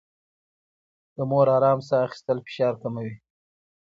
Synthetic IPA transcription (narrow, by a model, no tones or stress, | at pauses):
d̪̥əmoɾɑɾɑmsaːxi̥st̪əlfɪ̥ʃɑɾkamawi